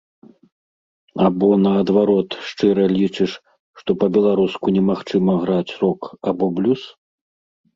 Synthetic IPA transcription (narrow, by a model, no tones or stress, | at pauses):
abɔnɐːd̪vaɾɔt̪ʂt͡ʂɨɾɐlʲit͡ʂɨʂ | ʂt̪ɔpɐbʲɛlˠaɾuskunʲɛmaxt͡ʂɨmɐɣɾat͡sʲrɔkabɔblʲus